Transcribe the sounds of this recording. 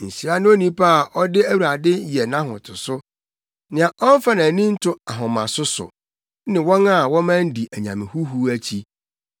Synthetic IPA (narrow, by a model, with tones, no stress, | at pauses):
n̩˨ɕi˨ɾa˦nʊ̃˦o˦nĩ˦pʰa˦a˨ʔɔ˦dɪ˦æ˦wu˨ɾa˨dɪ˦jɛ˨nã˦ɦʊ̰̃˨tʰʊ˨sʊ˦ | nɪ̃˨ã˨ʔɔ˦n˦fa˦nã˨nĩ˦n̩˦tʰʊ˦a˨ɦʊ̃˨mã˨sʊ˦sʊ̰˨˦ | nɪ̃˨wɔ̃˦na˦˨wɔ̃˦mã˦n˦di˨ʔæ˨ɲã̰˨mɪ̃˨hu˦ɦu˦æ˦t͡ɕʰi˦